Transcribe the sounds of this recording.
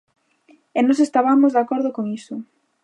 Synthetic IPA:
ɛnɔsest̪aβamʊzðakɔɾðʊkoŋisʊ

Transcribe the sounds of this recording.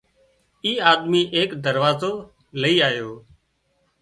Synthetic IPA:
iːaːd̪miːʔeːkd̪əɾʋaːzoː | ləiːaːjoː

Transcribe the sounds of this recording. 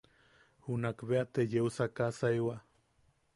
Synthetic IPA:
hunakβeat̪ejeusakasajwa

